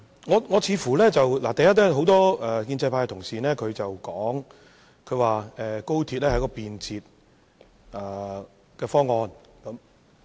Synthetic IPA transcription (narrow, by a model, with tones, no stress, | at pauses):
ŋɔː˨˧ŋɔː˨˧t͡sʰiː˨˧fuː˨˩lɛː˥t͡sɐ˨wla̰ː˨˩t̪ɐ˨jɐ˥t̚lɛː˥ɦo˨˥wt̪ɔː˥ɛː˨kiː˧nt͡sɐ˧jpʰaː˧kt̪ʰʊ˨˩ŋsiː˨nɛː˥kʰɵ˨˧ɥt͡sɐ˨wkɔː˨˥ŋ | kʰɵ˨˧ɥwaː˨ɛː˨ko˥wt̪ʰiː˧t̚lɛː˥ɦɐ˨˥jkɔː˧piː˨nt͡sʰiː˨˧t̚ | ʔaː˨˩ | kɛː˧fɔː˥ŋːɔː˧n | kɐ˨˥m